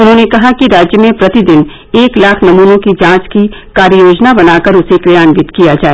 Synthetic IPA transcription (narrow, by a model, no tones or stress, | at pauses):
ʊnɦõːnekɐɦakiɾaːd͡ʒjəmẽpɾɐt̪id̪ɪn | eːklaːkʰnɐmuːnõkid͡ʒãːt͡ʃki | kaːɾjoːd͡ʒnabɐnaːkəɾʊsekɾɪjaːnʋɪt̪kijad͡ʒaːe